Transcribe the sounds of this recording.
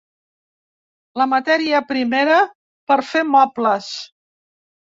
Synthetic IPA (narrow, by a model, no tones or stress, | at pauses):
ləmət̪ɛɾiəpɾimeɾə | pəɾfemɔpləs